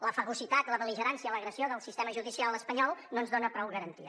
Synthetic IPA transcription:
ləfəɣusit̪at̪ləðəliʒəɾansiələɣɾəsioðəlˠsist̪ɛməʒuðisialˠəspəɲɔlˠnoənzðonəpɾɔwɣəɾənt̪iə

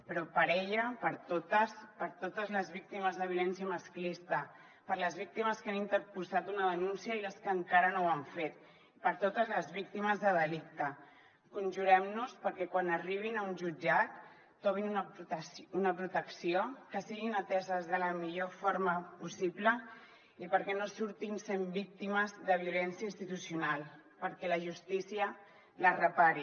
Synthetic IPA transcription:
pəɾɔpəɾɛʎəpəɾt̪ot̪əspəɾt̪ot̪əzləzβik̚t̪iməzðəβiulɛnsiəməsklist̪ə | pəɾləzβ̞ik̚t̪iməskanint̪əɾpuzat̪unəðənunsiəiləskəŋkaɾənowaɱfet̪ | ipəɾt̪ot̪əzləzβik̚t̪iməzðəðəlik̚t̪ə | kunʲʒuɾɛmnuspəɾkɛkwanəriβ̞inaunʒud͡ʒat̪ː | ɔβ̞inun | unəpɾut̪əksiokəsiɣinət̪ɛzəzðələmiʎofoɾməpusiblə | ipəɾkɛnosuɾt̪insembik̚t̪iməzðəβiulɛnsjəinst̪it̪usiunalˠpəɾkɛləʒust̪isiə | lərəpaɾi

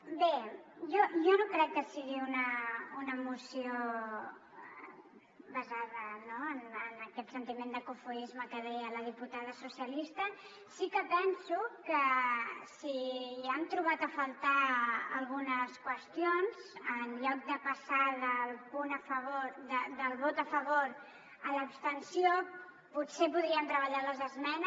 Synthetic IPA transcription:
bejɔjɔnokɾɛkːəsiɣiunəunəmusio | βəzaðənoənənəkɛt̪sənt̪imend̪əkufuizməkəðɛjələð̞iput̪aðəsusiəlist̪ə | sikəpɛnsukəsiəmt̪ɾuβat̪əfəlˠt̪aə̰lˠɣunəskwəst̪ionzənʎɔk̚d̪əpəsaðəlˠpunəfəβoɾd̪əd̪əlˠβot̪əfəβoɾ | ələːpst̪ənsio | putsepuðɾiənt̪ɾəβəʎaləzəzmɛnə

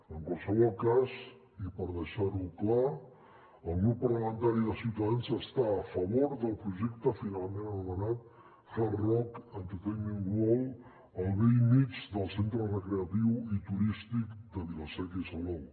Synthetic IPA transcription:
əŋkwalˠsəβ̞ɔlˠkaz | ipəɾðəʃaɾukla | əlˠɣɾupːəɾləmənt̪aɾiðəsiwt̪əðanzəst̪aːfəβoɾðəlˠpɾuʒɛkt̪əfinalˠmenənumənat̪̚ | falrɔkənt̪it̪ejmiŋɡwɔl | əlˠβejmit͡ʃd̪əlˠsent̪ɾərəkɾeət̪iwit̪uɾist̪ikd̪əβilosɛkisəlɔw

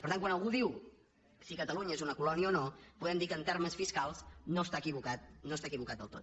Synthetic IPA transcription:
pəɾt̪aŋkwanəlˠɣuðiw | sikət̪əluɲəezunəkulɔniəonopuðɛmd̪ikənt̪ɛɾməsfiskalˠznost̪akiβukat̪̚nost̪akiβukat̪d̪əlˠt̪o̰t̪̚

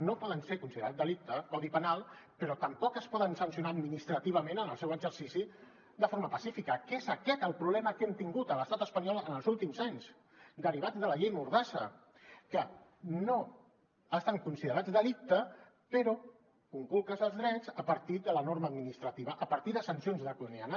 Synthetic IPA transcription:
nopɔðənsekunsiðəɾat̪̚d̪əlik̚t̪əkɔðipənalˠpəɾɔt̪əmpɔkəspɔðənsənsiunaːd̪minist̪ɾət̪iβ̞əmẽnənəlˠsɛwəɡzəɾsisi | d̪əfoɾməpəsifikəkezəkɛt̪əlˠpɾuβlɛməkɛmt̪iŋɡut̪ələst̪at̪əspəɲɔlˠənəlˠzulˠt̪imzaɲz | d̪əɾiβ̞ad͡zðələʎejmuɾðasə̰ | kəno | əst̪aŋkunsiðəɾad͡zðəlik̚t̪ə | pəɾɔ | kuŋkulˠkəzəlˠzðɾɛzəpəɾt̪id̪ələnoɾməːd̪minist̪ɾət̪iβəʔəpəɾt̪iðəsənsionzðəkulunianə

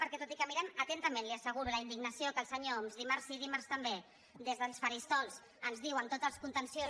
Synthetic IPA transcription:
pəɾkɛt̪ot̪ikəmiɾɛmət̪ɛnt̪əmẽnliəsəɣ̞uɾuləind̪iɡnəsiokəlˠsəɲomzðimaɾrziðimaɾst̪əmbe | d̪ezðəlˠsfəɾist̪ɔlˠs | ənzðiwənt̪ot̪zəlˠskunt̪ənsio

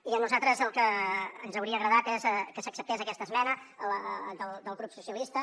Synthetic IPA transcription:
iənuzat̪ɾəzəlˠkəːnzəwɾiəːɣɾəðat̪ezəkəsəksəp̚t̪ezəkɛst̪əzmɛnəələd̪əlˠd̪əlˠɣɾupsusiəlist̪ə

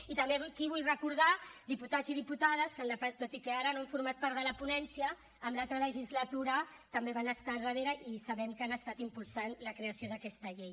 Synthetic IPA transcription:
it̪əmbeβkiβ̞ujrəkuɾðad̪iput̪aziðiput̪að̞əskənlapat̪ot̪ikɛaɾənoɛmfuɾmat̪̚paɾt̪ðələpunɛnsiəː | mlalˠt̪ɾələʒizlat̪uɾɐt̪ɐmbeβanəst̪arəð̞eɾaʔisaβɛmkanəst̪at̪impulˠsanləkɾeasioðəkɛst̪ɐʎej

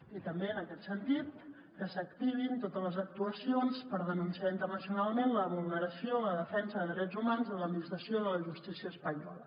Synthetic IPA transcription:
it̪əmbeənəkɛt̪sənt̪it̪̚ | kəsək̚t̪iβ̞int̪ot̪ələzək̚t̪uəsionspəɾðənunsiaint̪ərnəsiunalˠmenləβulˠnəɾəsioləðəfɛnsəðəðɾɛd͡zumanzələt̪minist̪ɾəsioðələʒust̪isiəːspəɲɔlə

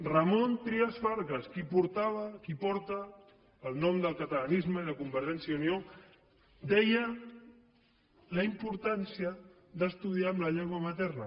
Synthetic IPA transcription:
rəmont̪ɾiasfaɾɣaskipuɾt̪aβakipɔɾt̪əː | lˠnɔmd̪əlˠkət̪əlanizməiðəkumbəɾt̪ɛnsjaunio | d̪ɛjə | ləimpuɾt̪ansiə | ðəst̪uð̞iaəmləʎɛŋɡwamət̪ɛrnə

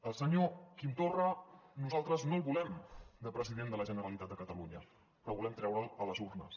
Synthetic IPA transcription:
əlˠsəɲokint̪orənuzalˠt̪ɾəznolˠβulɛmd̪əpɾəziðend̪ələʒənəɾəlit̪at̪d̪əkət̪əluɲə̰ | pɾɔβulɛmt̪ɾɛwɾəlˠələzuɾnə̰s

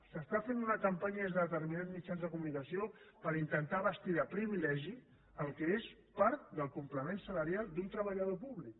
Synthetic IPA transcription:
səst̪afenunəkəmpaɲəəzðəðət̪əɾminad̪zmit͡ʃanzðəkumunikəsiopəɾint̪ənt̪aβəst̪iðapɾiβilɛʒi | əlˠkəespaɾt̪̚d̪əlˠkumpləmensələɾijalˠd̪unt̪ɾəβəʎəðopuβlik

